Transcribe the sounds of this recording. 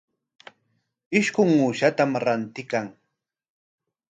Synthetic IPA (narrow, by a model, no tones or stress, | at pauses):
ɪʃkʊŋuːʃat̪amɾant̪ɪkaŋ